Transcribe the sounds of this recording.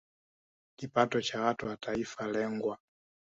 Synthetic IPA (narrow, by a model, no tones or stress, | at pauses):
kipatɔt͡ʃawatuwatʰaifalɛŋɡwa